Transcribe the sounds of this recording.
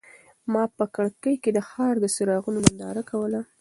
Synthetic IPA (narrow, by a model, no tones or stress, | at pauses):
mɑpəkəɽkəjked̪əxɑɾd̪əsɪɾɑɣunoband̪ɑɾakawəla